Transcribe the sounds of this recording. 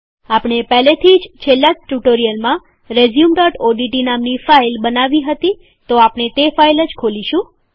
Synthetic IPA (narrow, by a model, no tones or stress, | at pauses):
apɳ̃epɛɦlet̪ʰid͡ʒt͡ʃʰelːaʈuʈoɾijəlmã | ɾezjumɖɔʈoɖiʈinamnifailbənaʋiɦət̪i | t̪oapɳet̪efailəd͡ʒkʰoliʃũ